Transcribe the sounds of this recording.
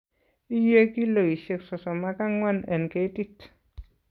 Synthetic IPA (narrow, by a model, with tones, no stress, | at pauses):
i˦je˦ki˦lo˨i˨ʃe˧ksɔ˨sɔ˨ma˦ka˦ŋwa˦˨nə˨nke˦ti˦t